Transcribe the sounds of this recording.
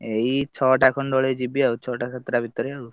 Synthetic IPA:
ejt͡ʃʰɔʈakʰɔnɖ̪ɔɭed͡ʒibiaut͡ʃʰɔʈakʰet̪ːɾabʱit̪ɔɾeaw

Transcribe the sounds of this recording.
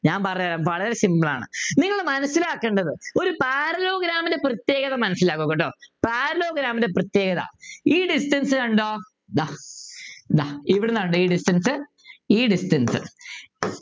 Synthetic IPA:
ɲaːnpɐrɐjaːɾɐmpɐɭɐðɾesimbɐɭa̰ːɳɨ̰niŋːɐɭmɐnɐsːilaːkːeːɳɖɐðɨo̞ɾupaːɾɐlo̞ːɡɾaːmindeprɐt̪jeːɣɐðɐmɐnɐsːilaːɣuɣoʈːoːpaːɾɐloːɡɾaːmindeprɐt̪je̞ːɣɐðɐ̰iːɖisʈɐnsɨɐɳɖoː | d̪a | d̪aiʋiɽenːaːɳɖoiːɖisʈɐnsɨ | iːɖisʈɐnsɨ̰

